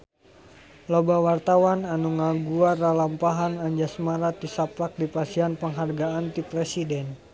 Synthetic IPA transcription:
lobawart̪awananuŋaɡuaralampaɦanaɲd͡ʒasmaɾat̪̚isaplak̚dipasianpəŋɦarɡaːnt̪ipɾesidɛn

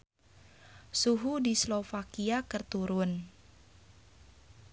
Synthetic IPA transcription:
suɦudislofakiakərt̪uɾʊn

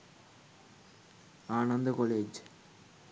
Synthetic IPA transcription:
aːnɐnd̪ɐkoleːd͡ʑ

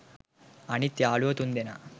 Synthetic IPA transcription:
ɐnit̪jaːɭuɐt̪und̪enɐ

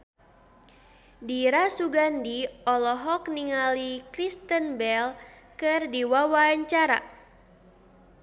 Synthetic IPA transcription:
diɾasuɡandiɔlɔɦɔk̚niŋalikɾist̪ənbɛl | kɨrdiwawaɲt͡ʃaɾa̰

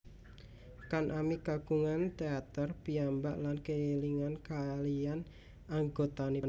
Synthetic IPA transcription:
kanʔamiɡaɡ̥uŋant̪eat̪ərpiambaʔlankəiliŋankaːlian | aŋɡot̪anin

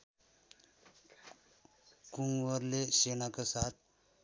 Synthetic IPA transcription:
kuŋɡʋəɾleɕenakəsat̪̚ʰ

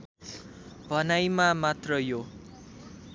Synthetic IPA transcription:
bʱʌnajmamat̪rʌjo

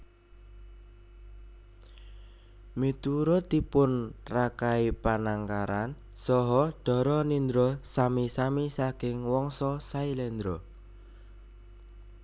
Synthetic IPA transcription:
mit̪uɾɔt̪ipʊnrakaipanaŋkaɾan | sɔɦɔd̪̥ɔ̤ɾɔnind̪ɾɔsamisamisakɪŋwɔŋsɔsailɛnd̪ɾɔ

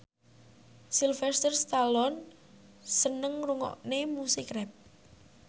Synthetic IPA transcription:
silfɛst̪ərst̪alɔn | sənəŋruŋɔ̰ʔnemusikrɛp̚

